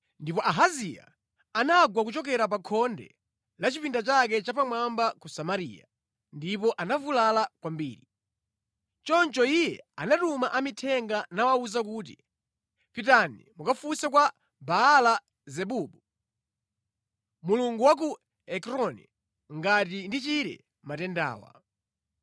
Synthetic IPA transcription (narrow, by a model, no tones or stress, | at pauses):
ndipɔʔaɦazija̰ | anaɡwak̬ut͡ʃɔk̬ɛɾap̬akʰɔndɛ̰ | lat͡ʃipindat͡ʃak̬ɛt͡ʃapamwambakusamaɾḭːja | ndipɔʔanavulalakwambiːɾi | t͡ʃɔnt͡ʃɔijɛanatumaʔamitʰɛŋɡanawauzak̬uːt̬ḭ | pitanimukafusɛkwa | baːla | zɛɓuːɓu | muluŋɡuwak̬u | ɛkɾɔnɛ̰ | ŋɡatindit͡ʃiɾɛ̰ | matɛnda̰ːwa̰